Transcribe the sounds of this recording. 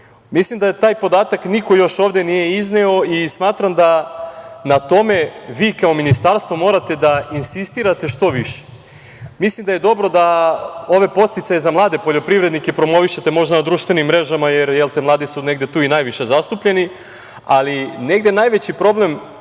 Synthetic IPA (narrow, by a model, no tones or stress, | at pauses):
mislimd̪ajet̪aːjpo̞d̪aːt̪akniko̞jo̞ʃoːʋd̪e̞nije̞izneo̞ismaːt̪ɾamd̪a | nat̪o̞me̞ʋiːkao̞minist̪aɾst̪ʋo̞mo̞ːɾat̪e̞d̪ainsist̪iːɾat̪e̞ʃt̪o̞ʋiʃe̥ | mislimd̪aje̞d̪o̞bɾo̞d̪ao̞ʋe̞po̞st̪it̪sajezamlˠaːd̪e̞po̞ʎopɾiʋɾe̞d̪nikepɾo̞mo̞ʋiʃet̪e̞mo̞ʒd̪anad̪ɾuːʃt̪ʋe̞nimːɾe̞ʒamajeɾjelt̪emlˠaːd̪isune̞ɡd̪et̪uːinajʋiʃe̞zast̪upʎe̞ni | aline̞ɡd̪je̞naːjʋe̞t͡ɕipɾo̞ble̞m